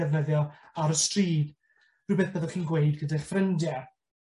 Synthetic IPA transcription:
ɛvnəðjɔaɾəstriːd | rɨːbeθb̥əðɔχiːnɡwejdɡədaɬfrəndjɛ

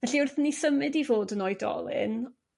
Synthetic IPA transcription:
vɛɬiʊrθnisəmɨdivoːdənɔɨdɔ̰lˠɨ̰n

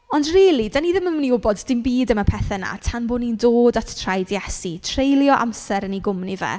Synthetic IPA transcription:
ɔndriːlˠidaniðɪməmniʊbɔdːɪmbiːdəmapʰɛθɛna̰tʰanbonindoːdatʰtʰrajdjɛsitʰrejlˠjɔʔa̰msɛɾəniɡʊmnivɛ̰

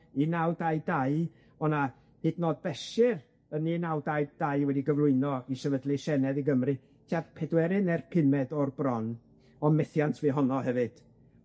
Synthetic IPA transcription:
inawdajdaɨ | ɔna | hɨdnɔːd̚bɛʃɪr | əninawdajd̥ajwɛdiɡəvlˠʊɨnɔisɛvədlˠiʃɛnɛðiɡəmrɨ | tʰiarpʰɛdwɛɾɨnɛrpʰɪnɛdɔrbrɔn | ɔmɛθjantʰviɦɔnɔhɛvɨd̥

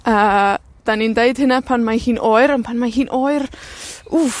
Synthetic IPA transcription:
ʔəː | d̥anindeɨd̥hɨnapʰanmahiːnʔoːɨɾənpʰanmaɦiːnʔoːɨru

